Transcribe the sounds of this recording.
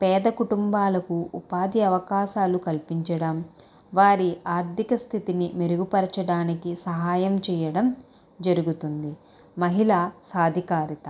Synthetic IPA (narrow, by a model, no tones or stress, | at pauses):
pɛːd̪ɐkuʈumbaːlɐkuupaːd̪iɐʋɐkaːʃaːlukɐlpiɲt͡ʃɐɽɐm | ʋaːɾiaːɾt̪ʰikɐst̪ʰit̪inimeɾuɡupɐɾɐt͡ʃɐɽaːnikisɐɦaːjɐmt͡ʃɛːjɐɽɐm | d͡ʒɐɾuɡut̪und̪i | mɐɦilaːsaːd̪ʱikaːɾit̪ɐ